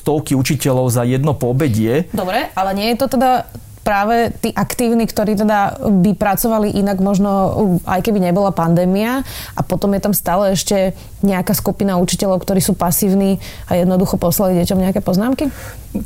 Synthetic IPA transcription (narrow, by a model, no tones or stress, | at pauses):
st̪ɔʊkiut͡ʃicɛlɔʊzajɛd̪nɔpɔbɛɟɪɛd̪ɔbɾɛalɛɲɪɛjɛt̪ɔt̪ɛd̪a | pɾaːʋɛt̪iːʔakt̪iːʊnikt̪ɔɾiːt̪ɛd̪abipɾat͡sɔʋaliʔinaɡmɔʒnɔʔa̰jkɛbiɲɛbɔlapand̪ɛːmiaʔapɔt̪ɔmjɛt̪amst̪aːlɛɛʃcɛ | ɲɛakaːskupinaut͡ʃi̥cɛʎɔʊkt̪ɔɾiːsuːpasiːʊniːajɛd̪nɔd̪uxɔpɔslaliɟɛcɔmɲɛakɛːpɔznaːmki